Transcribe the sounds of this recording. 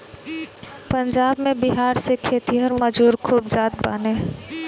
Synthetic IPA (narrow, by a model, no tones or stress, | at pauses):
pɐ̃ɲd͡ʒaːbmẽbɪɦaːɾsekʰeːt̪iɦɔɾmɐd͡ʒuːɾkʰuːb̚d͡ʒaːd̪baːneː